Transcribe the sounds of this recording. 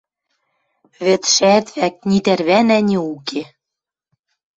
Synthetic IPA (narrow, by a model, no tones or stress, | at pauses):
βĕt̪ʃæt̪βæk̚nit̪ærβænænʲeuke